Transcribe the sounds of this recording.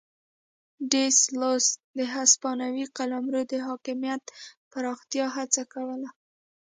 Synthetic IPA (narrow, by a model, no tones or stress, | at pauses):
ɖeslosd̪əɦaspɑnawiqalamɾod̪əɦɑkɪmjat̪paɾɑxt̪jɑɦat͡sakawəla